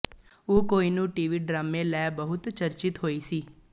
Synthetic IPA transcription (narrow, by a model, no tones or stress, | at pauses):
oːkoːiːnũːʈiːʋiːɖɾaːmẽːlɛːbəɦʊt̪t͡ʃəɾt͡ʃɪt̪ɦoːiːsiː